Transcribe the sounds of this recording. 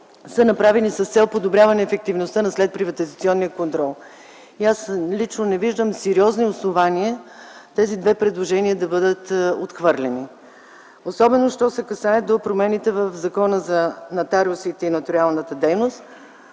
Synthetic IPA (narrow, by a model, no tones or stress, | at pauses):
sənɐpɾavɛnisɐst̪sɛlˠpod̪obɾʲjavɐnɛːfɛk̚t̪ivnost̪ənɐslɛt̪̚pɾivɐt̪izɐt̪siɔnːijəkont̪ɾɔlˠ | iaslit͡ʃnonɛviʒd̪əmsɛɾiɔzniosnovaniət̪ɛzid̪vɛpɾɛd̪lˠoʒɛniəd̪ɐbɤd̪ət̪ot̪xvɤɾlɛni | osɔbɛnoʃt̪ɔsɛkɐsaət̪̚d̪opɾomɛnit̪ɛvəfzɐkɔnəzɐnɐt̪aɾiosit̪ɛinɐt̪oɾialˠnət̪əd̪ɛjnost̪